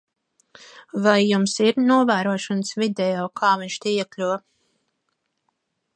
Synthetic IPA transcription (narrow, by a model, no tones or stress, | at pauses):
vajːumsiɾnuɔvæːɾuɔʃɔnsvid̪ɛjɔːkʰaːviɲʲʃt̪ijɛklʲu